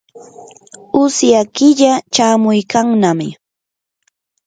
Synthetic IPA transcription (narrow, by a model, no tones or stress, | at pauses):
ʊsjakɪʎat͡ʃaːmʊjkaŋnamɪ